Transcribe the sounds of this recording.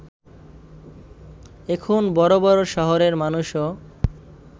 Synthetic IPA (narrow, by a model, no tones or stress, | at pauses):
ekʰunbɔɾobɔɾoʃɔɦoɾeɾmanuʃo